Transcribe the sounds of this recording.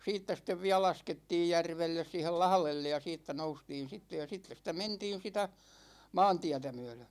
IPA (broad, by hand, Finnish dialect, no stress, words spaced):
siːtːæ sĭtˑeʋ ʋiæ lɑsketːiːj jærʋelːes siːhel lɑhlelːej jɑ siːtːæ noustiːn̞ sitːe jɑ jɑ sitːes sitæ mentiːn̞ sitæ mɑːntiætæ myø̞lø